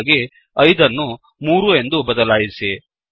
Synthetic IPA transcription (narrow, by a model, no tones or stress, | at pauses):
ɡe | ɐjd̪ɐnːu | muːɾue̞nd̪ubɐd̪ɐlaːjisi